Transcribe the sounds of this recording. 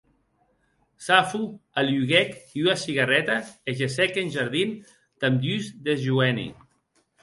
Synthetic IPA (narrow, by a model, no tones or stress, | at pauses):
safualjuɣɛkiuasiɣarɛt̪aeʒesɛkenʲʒaɾð̞in | t̪amd̪yzd̪ezʒuɛnḭ